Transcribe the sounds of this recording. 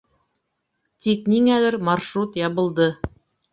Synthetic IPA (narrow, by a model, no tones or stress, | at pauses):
t̪ik̚niŋælɘɾmɑɾʃrut̪jɑβɤ̆lˠd̪ɤ